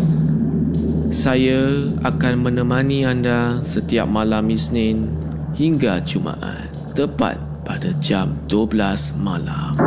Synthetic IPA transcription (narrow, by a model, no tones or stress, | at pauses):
sajaakanmə̃nə̃mãniandasət̪ia̰p̚malamisnɪn | hiŋɡat͡ʃumã̰ʔa̰n | t̪əpa̰t̪̚padad͡ʒamdəblasmalam